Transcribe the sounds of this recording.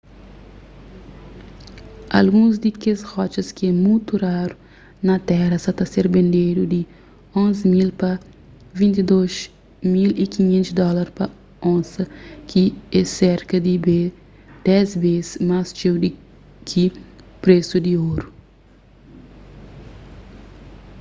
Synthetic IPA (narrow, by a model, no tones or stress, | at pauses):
ɐ̰lɡũzd̪ikeshɔt͡ʃɐskiɛmũjt̪uɾaɾu | nɐt̪ɛɾɐsɐt̪ɐseɾbẽnd̪ejɾud̪i | õnzimilpɐ | vĩnt̪id̪oʃ | milikiɲẽnt̪sd̪ɔlɐɾpɐ | õnsɐkiɛseɾkɐd̪ibe | d̪̥ɛzbezmast͡ʃewd̪i | kʰipɾesud̪ioɾu